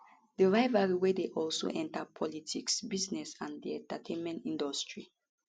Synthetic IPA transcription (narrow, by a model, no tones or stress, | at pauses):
dəɹaɪvaɹiwɛdeʔɔlso̰ʔɛ̃ntapʰɔlitʰiksbiznɛsãndiɛ̃ntatʰẽnmɛ̃ntĩndɔstʰɹi